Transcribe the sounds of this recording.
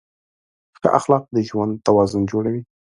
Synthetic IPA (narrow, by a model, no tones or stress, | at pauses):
xə̰ʔa̰xlɑq̚d̪əʒwand̪t̪awɑzʊnd͡ʒoɽawi